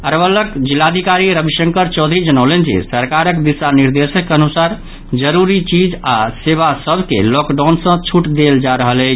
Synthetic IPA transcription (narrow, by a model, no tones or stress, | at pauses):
əɾbələkd͡ʒilːad̪ʱikaɾiɾəbʱiʃəŋkəɾt͡ʃɔʊd̪ʱɾid͡ʒənəwlend͡ʒḛsəɾkaɾəkd̪isaniɾd̪esəkːeənusaɾ | d͡ʒəɾuɾit͡ʃid͡ʒaseβasəbʱkḛlɔkɖansə̃t͡ʃʰuʈd̪eld͡ʒaɾəɦələt͡ʃʰ